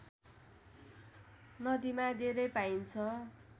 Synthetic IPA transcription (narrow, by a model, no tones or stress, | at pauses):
nʌd̪imad̪eɾʌjpaint͡sʰʌ